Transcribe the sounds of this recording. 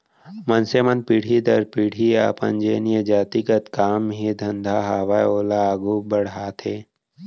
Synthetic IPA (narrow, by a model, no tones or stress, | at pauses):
mənsemɐnpiːɽ̤id̪ɐɾpiɽ̤ia̰ːpə̰nd͡ʒeːnijəd͡ʒaːt̪ikət̪kaːmɦid̪ʱɐ̃nd̪ʱaɦaːʋajoːlaːɡubɐɽ̤ɦaːt̪ʰeː